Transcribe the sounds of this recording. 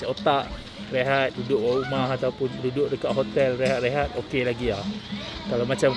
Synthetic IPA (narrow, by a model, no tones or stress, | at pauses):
ot̪aʔ | reɦat̪̚dudʊʔwaumaɦat̪awpʊndudʊʔdəkaʔɦot̪ɛlreɦat̪̚reɦat̪̚okelaɡiahkalamat͡ʃam